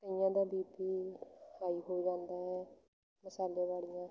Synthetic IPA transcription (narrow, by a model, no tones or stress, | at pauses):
t̪əɪjãːd̪aːbiːpiːhaːiːɦoːid͡ʒãːnd̪aːɦɛː | mɪsaːlẽːβaːlɪjãː